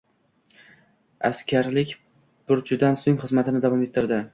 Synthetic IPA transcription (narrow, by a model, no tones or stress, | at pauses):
askʲʰaɾlɪkʲ | bʊɾt͡ʃʰʊd̪ansoŋχɨzmat̪ʰɪnɪd̪avɒmet̪ʰːɪɾd̪ɪ